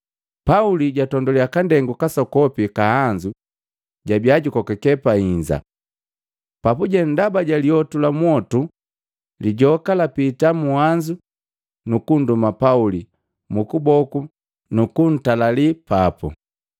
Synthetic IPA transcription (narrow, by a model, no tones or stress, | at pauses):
pauliɟatɔndɔliakandɛŋɡukasɔkɔpikahaɲd͡ʒu | ɟabjaɟukɔkɛkɛpaiɲd͡ʒa̰ | papuɟɛndabaɟaliɔtulamwɔtu | liɟɔkalapitamuhaɲd͡ʒu | nukundumapauli | mukubɔku | nukun̩talalipapṵ